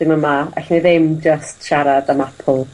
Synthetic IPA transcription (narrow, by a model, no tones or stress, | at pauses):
ɪməmaa̰ɬniðɪmd͡ʒəstʃaɾadəmapʰʊlˠ